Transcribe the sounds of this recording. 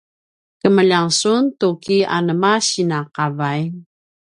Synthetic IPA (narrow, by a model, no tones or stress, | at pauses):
kəməʎaŋsuntukiʔa̰nəmaɕinaqavaj